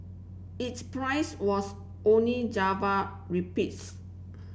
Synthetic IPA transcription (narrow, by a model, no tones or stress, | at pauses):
itspɹaɪswɔs | õnlid͡ʒava | ɹipits